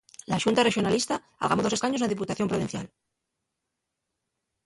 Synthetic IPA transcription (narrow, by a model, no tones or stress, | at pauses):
laʃunt̪are̞xjo̞nalist̪a | a̰lɣamo̞ðo̞sekaɲounaðip̬ut̪aθjo̞mpɾoinθja̰l